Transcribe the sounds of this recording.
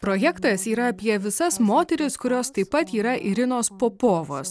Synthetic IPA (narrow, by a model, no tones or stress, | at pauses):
pɾoːjɛkt̪ɐsiːɾɐɐpʲiɛʋʲɪsɐsmoːt̪ʲɛɾʲɪskʊɾʲoːst̪ɐɪpːɐt̪iːɾɐʔɪɾʲɪnoːspoːpoːʋo̰ːs